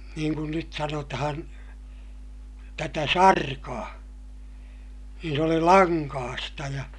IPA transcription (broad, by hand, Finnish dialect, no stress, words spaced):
niːŋ kun nyt sɑnotɑhɑn tætæ sɑrkɑː niːn s oli lɑŋkɑːstɑ jɑ